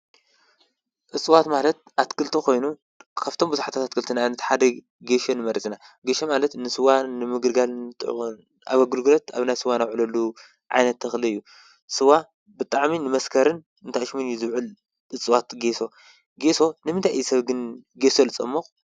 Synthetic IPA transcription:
ʔɨt͡sʼɨwat̪malɐt̪̚ʔat̪kʰɨlt̪ʰiko̞jnu | kʰaβt̪ʰo̞mbɨzuħat̪ʰat̪at̪kʰɨlt̪ʰinaanɐt̪ħad̪ɐ | ɡeʃonɨmɐɾɐt͡sʼina | ɡeʃomalɐt̪nɨsɨwanɨmɨɡɨɾɡalnɨt̪ʼɨ̰n | ʔa̰βɐɡɨlɡɨɾɐt̪a̰βnajsɨwanawʕlɐlːu | ʕa̰jnɐt̪ʰːɐxlɨɨjːu | sɨwa | bɨt̪ʼaʕminɨmɐskʰɐɾɨn | ɨnt̪ʰaʃmɨnjizɨβʕɨl | ʔɨt͡sʼɨwat̪ɡeso̞ | ɡe̞so̞nɨmɨnt̪ʰajʔjːsɐβɡɨnɡesolɨt͡sʼɐmːɐx

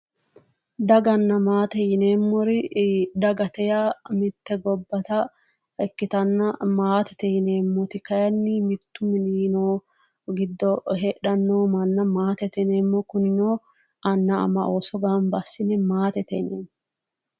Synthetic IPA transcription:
d̪ɐɡɐnːɐmaːt̪ɛjɪne̞ːmːɔɾɪd̪ɐɡɐt̪ɛjamɪt̪ːɛɡɔbːɐt̪ɐ | ɛkːɪt̪ɐnːɐmaːt̪ɛ̥t̪ɛjɪne̞ːmːɔt̪ɪkɐjɐnːɪmɪt̪ːʊmɪniːnoː | ɡɪd̪ːɔɦeᶑɐnːoːmɐnːɐmaːt̪ɛt̪ɛneːmːɔkʊnɪnoː | ʔɐnːɐɐ̰mɐ̰ʔoːsɔɡambɐsːɪnɛmaːt̪ɛt̪ɛneːn

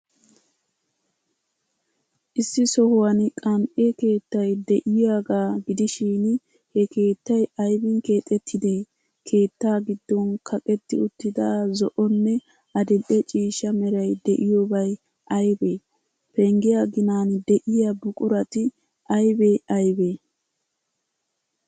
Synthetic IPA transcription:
ʔɪsːɪsɔhʊwɐnkʼɐmʔeke̞ːt̪ːɐjd̪ɛʔɪjaːɡaːɡɪd̪ɪʃiːn | hɛke̞ːt̪ːɐjɐjbɪŋke̞ːt̪ʼːɛt̪ʰːɪd̪e | kʰe̞ːt̪ːaːɡɪd̪ːɔnkʰɐkʼɛt̪ːɪʊt̪ːɪd̪aːzɔʔɔnːɛ | ɐd̪ɛʔɛt͡ʃʼiːʃɐmɛɾɐjd̪ɛʔɪjobɐj | ʔɐjbeː | pɛŋɡɪjaɡɪnaːnd̪ɛʔɪjabʊkʼʊɾɐt̪ɪ | ʔɐjbeɐjbeː

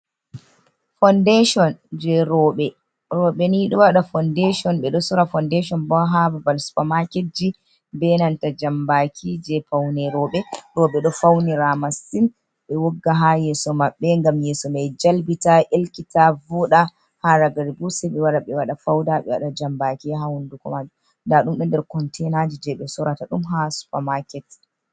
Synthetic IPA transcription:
fɔndɛʃɔnd͡ʒɛɾɔːɓɛ | ɾɔɓɛniɗɔwaɗafɔndɛʃɔnɓɛɗɔsuɾafɔndɛʃɔnbɔɦabavalspamaked͡ʒi | bɛnantad͡ʒambakʰid͡ʒɛfawnɛɾɔɓɛɾɔɓɛɗɔfawniɾamasin | ɓɛwɔɡːaɦajɛsɔmaɓːɛŋɡamjɛsɔmɛd͡ʒalbitaʔelkitavɔɗa | haɾaɡaɾbusɛɓɛwaɗaɓɛwaɗafawdaɓɛwaɗad͡ʒambakiɦahundukɔ̰mad͡ʒu | ndaɗumɓɛndɛɾkɔntʰɛnad͡ʒid͡ʒɛɓɛsɔɾataɗumɦasu̥pamakɛt

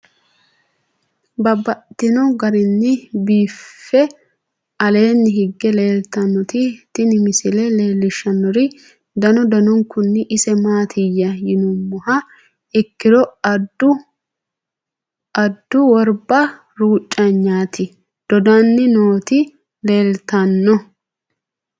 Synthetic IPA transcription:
bɐbːɐt̪ːɪnɔɡɐɾɪnːɪbiːfːɛ | ɐle̞ːnːɪɦɪɡːɛle̞ːlt̪ɐnːɔt̪ɪt̪ɪnɪmɪsɪlɛle̞ːlːɪʃːɐnːɔɾɪ | d̪ɐnɔd̪ɐnɔŋkːʊnːɪʔɪsɛmaːt̪ʰɪjːɐjɪnʊmːʊhɐ | ɛkːɪdɔɐd̪ːʊ | ɐd̪ːʊwɔɾbɐ | ɾuːt͡ʃʼːɐɲːaːt̪ɪ | d̪̥ɔd̪anːɪnoːt̪ɪ | le̞ːlt̪ɐnːɔ

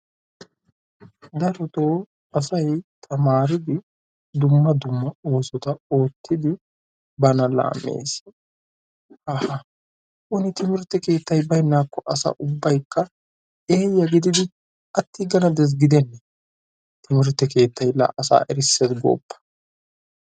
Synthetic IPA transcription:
d̪ɐɾɔt̪oː | ɐsɐjt̪ʰɐmaːɾɪd̪ɪ | d̪ʊmːɐd̪ʊmːɐo̞ːsɔt̪ɐo̞ːt̪ːɪd̪ɪ | bɐnɐla̰ːmːḛːs | ɐhɐ | ʔʊnɪt̪ʰɪmɪɾɛt̪ːɛke̞ːt̪ːɐjbɐjnːaːkːɔʔɐsɐ̰ʔʊbːɐjkːɐ | e̞ːjːɐɡɪd̪ɪd̪ɪ | ʔɐt̪ːɪɡɐnɐd̪ɛs̬ɡɪd̪ɛnːɛ | t̪ɪmɪɾɛt̪ːɛke̞ːt̪ːɐjla̰ːʔɐsa̰ːʔɛɾɪsːɛt̪ɡo̰ːpːɐ̥

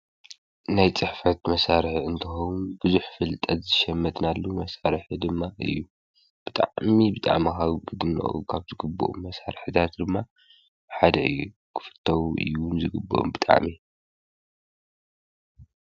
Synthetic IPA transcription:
najt͡sʼɨħfɐt̪mɐsaɾħɨnt̪ʰɨxownubɨzuħfɨlt̪ʼɐt̪zɨʃɐmːɐt̪nalːumɐsaɾħɨd̪ɨmːaʔɨ̰jːu | b̥ɨt̪ʼa̰ʕmibɨt̪ʼa̰ʕmakaβɡɨd̪ɨnɐ̰ʔʼṵkʰaβzɨɡɨbːo̰ʔṵmːɐsaɾħɨt̪ʰat̪d̪ɨmːa | ħad̪ɐʔɨ̰jːu | kʰɨ̥fɨ̥t̪ʰːɐwʔɨ̰jnzɨɡɨbːoʔṵmbɨt̪ʼa̰ʕmi

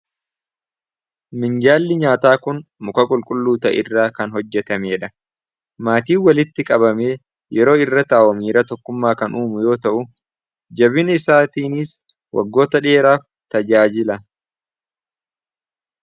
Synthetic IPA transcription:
mɪnd͡ʒaːlːɪɲaːt̪aːkʊnmʊkɐkʼʊlkʼʊlːuːt̪ɐ̰ʔɪ̰rːaːkɐnɦɔd͡ʒːɛt̪ɐmeːᶑɐ | maːt̪iːwɐlɪt̪ːɪkʼɐbɐme̞ː | jɛɾo̞ːɪrːɐt̪aːʔwɔmiːɾɐt̪ɔkːʊmːaːkɐnʔuːmʊjo̞ːt̪ɐʔʊ | d͡ʒɐbɪnɪsaːt̪iːnis | wʔɐ̰ɡːo̞ːt̪ɐᶑe̞ːɾaːf | t̪ɐd͡ʒaːd͡ʒɪlɐ

